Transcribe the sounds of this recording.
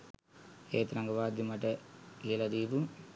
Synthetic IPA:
eːt̪ɾɐŋɡɐʋaːd̪jimɐʈəiɐlɐd̪iːpu

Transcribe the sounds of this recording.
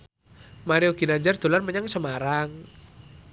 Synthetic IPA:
maɾioɡ̥i̤naɲd͡ʒard̪̥o̤larməɲaŋsəmaɾaŋ

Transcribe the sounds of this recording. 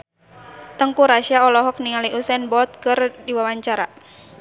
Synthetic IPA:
t̪əŋkuɾaʃiaɔlɔɦɔk̚niŋaliʔusɛnbɔt̪̚kɨrdiwawaɲt͡ʃaɾa

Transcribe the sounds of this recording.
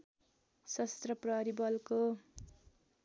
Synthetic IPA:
sʌst̪rʌprʌɾibʌlko

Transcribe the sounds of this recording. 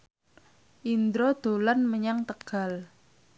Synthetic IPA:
ʔind̪ɾod̪̥o̤lanməɲaŋt̪əɡ̥a̤l

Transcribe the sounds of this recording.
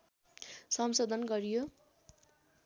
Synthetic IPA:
sʌmsod̪ʱʌnɡʌɾijo

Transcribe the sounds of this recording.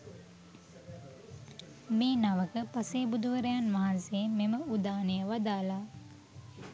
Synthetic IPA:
meːnaʋəkəpaseːbud̪uʋəɾejanʋaɦansememəud̪aːnejəʋad̪aːla

